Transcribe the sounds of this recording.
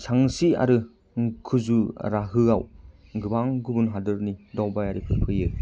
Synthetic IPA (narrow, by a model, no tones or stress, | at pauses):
sʰaŋsia̰ɾɯ | kʰɯzuɾaɦɯaw | ɡɯbaŋɡɯbunɦadɯɾnidɔwbajaɾikʰɯɾpʰɯjɯ